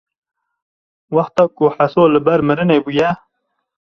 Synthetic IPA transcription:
waxt̪ːakoħasoləbaɾməɾənebuja

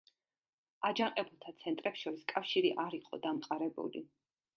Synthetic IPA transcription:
ad͡ʒaŋqʼɛbulˠt̪ʰat̪sʰɛnt̪ʼɾɛpsʃɔɾiskʼafʃiɾiʔaɾiqʼɔ̰d̪amqʼaɾɛbṵlḭ

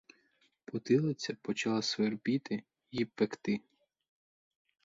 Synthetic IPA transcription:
pʊt̪ɪlˠɐt͡sʲɐpɔt͡ʃɐlˠasʋerbʲit̪ɪ | jipekt̪ɪ

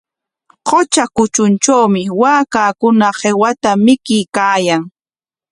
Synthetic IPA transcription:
qot͡ʃakʊt͡ʃʊnt͡ʃawmɪwaːkaːkʊnahewat̪amɪkɪjkaːjaŋ

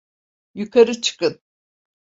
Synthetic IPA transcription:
jykʰaɾɯt͡ʃʰɯ̥kɯn

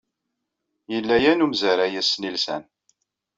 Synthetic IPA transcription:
jəlːæjænumzəɾæjæsnilsæ̰n

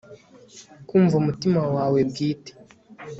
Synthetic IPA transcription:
kuːɱvumutimawaːwe̞bɡiːte̥

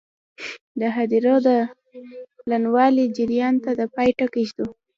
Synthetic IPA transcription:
d̪əɦad̪iɾod̪ə | planwɑlid͡ʒɪɾjɑnt̪ad̪əpɑjʈakiʃd̪u

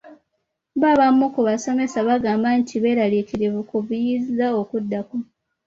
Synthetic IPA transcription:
βaβamːukuβaso̞me̞saβaɡaːmbantʰiβe̞ːɾalikiɾeβukuβujizizaokudːako

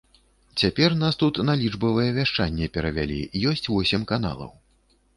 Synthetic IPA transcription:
t͡sʲapʲɛrnast̪ut̪nalʲid͡ʐbɐvɐjɛvʲaʂt͡ʂanʲːɛpʲɛɾɐvʲa̰lʲḭjɔsʲt͡sʲvɔsʲɛmkana̰lˠɐ̰w

